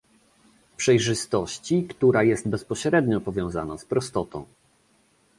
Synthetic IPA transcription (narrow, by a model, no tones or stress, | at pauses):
pʂɛjʐɘst̪ɔɕt͡ɕikt̪uɾajɛst̪̚bɛspɔɕɾɛd̪ɲɔpɔvʲjɔ̃w̃za̰na̰spɾɔst̪ɔt̪ɔ̰̃w̃